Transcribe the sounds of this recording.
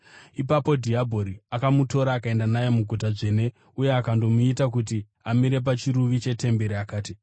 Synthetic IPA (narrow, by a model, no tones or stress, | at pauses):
ipapo̞dʱiabʱo̞ɾiakamuto̞ɾaːkae̞ndanajo̞muɡʱutaʐeːne̞ | uje̞akando̞muitak̬ut̬i | amiɾe̞p̬at͡ʃiɾuʋit͡ʃe̞te̞mbe̞ɾiakaːti